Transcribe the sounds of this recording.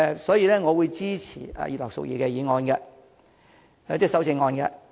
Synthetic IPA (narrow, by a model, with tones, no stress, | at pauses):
sɔː˨˥jiː˧lɛː˥ŋɔː˨˧wuː˨˧jt͡siː˥t͡sʰḭː˨˩a̰˨ji˨lɐ˨wsʊ̰˨k̚jiː˨˩kɛː˧jiː˨˧ŋɔː˧nɡɛ˧˨˦ | t̪iː˥ksɐ˨˥wt͡sɪ˧ŋːɔː˧nɡɛ̰˧